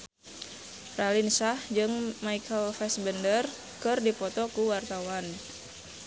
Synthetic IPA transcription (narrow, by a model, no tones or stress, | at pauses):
ralinsahd͡ʒɨŋmaikʰəlfɛsbəndər | kɨrdipɔt̪ɔkuwart̪awan